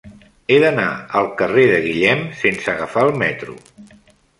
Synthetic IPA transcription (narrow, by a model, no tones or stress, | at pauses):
eðənaəlˠkəreðəɣiʎɛmsensəɣəfaəlˠmɛt̪ɾṵ